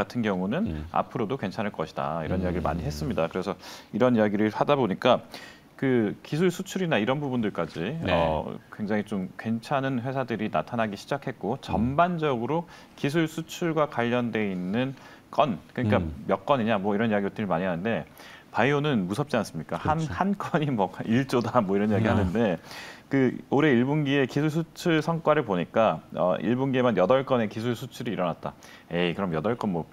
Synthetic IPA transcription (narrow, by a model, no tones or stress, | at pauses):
atʰɯnɡjʌŋunɯna̰pʰɯɾodokwe̞nt͡ɕʰanɯɭk͈ʌɕʰi̥d̥a̰ḭɾʌnijaɡiɾɯɭma̰ɲiɦe̞s͈ɯmɲidakɯɾe̞sʰʌiɾʌnijaɡiɾɯɭhadaboɲik͈a | kɯkisʰuɭsʰut͡ɕʰuɾinaiɾʌnbubundɯɭk͈ad͡ʑiʌ̰kwe̞ŋd͡ʑaŋit͡ɕomkwe̞nt͡ɕʰanɯnɸwe̞sʰadɯɾina̰tʰanɦaɡiɕʰid͡ʑakʰe̞t̚k͈ot͡ɕʌmband͡ʑʌɡɯɾo | kis̬ʰuɭsʰut͡ɕʰuɭɡwakwaʎːʌndwe̞inːɯn | k͈ʌnkɯɲik͈amjʌk͈ʌɲiɲamwʌiɾʌnjaɡiot͈ʰːɯɾimaɲiɦanɯnde̞ | paionɯnmusʰʌp̚t͡ɕ͈ians͈ɯmɲik͈ahanhank͈ʌɲimʌkiɭt͡ɕ͈odamwʌiɾʌnjaɡiɦanɯnde̞kɯoɾe̞iɭbonɡie̞kisʰuɭs̬ʰut͡ɕʰuɭsʰʌŋk͈waɾɯɭpoɲik͈aʌ̰ʔḭɭbonɡiemanjʌdʌɭk͈ʌne̞kis̬ʰuɭsʰut͡ɕʰuɾiːɾʌnat̚t͈a̰ | je̞kɯɾʌmjʌdʌɭk͈ʌnmwʌ